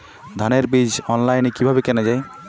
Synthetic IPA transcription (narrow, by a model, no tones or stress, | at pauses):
d̪ʱaneɾbid͡ʑɔnlajnekibʱabekɛned͡ʑae